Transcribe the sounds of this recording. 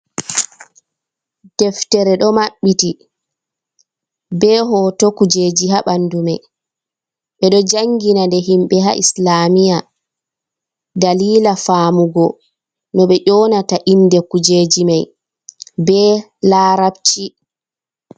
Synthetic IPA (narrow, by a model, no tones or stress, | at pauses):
d̥ɛftɛɾɛɗɔmaɓːiti | bɛɦɔtɔkud͡ʒeːd͡ʒiɦaɓandumɛ | ɓɛɗɔd͡ʒaŋɡinandɛɦimɓɛɦa̰ʔislaːmija | daliːlafaːmuɡɔ | nɔɓɛʔɔːnataʔinːdɛkud͡ʒeːd͡ʒimaj | bɛ | laːɾab̚t͡ʃi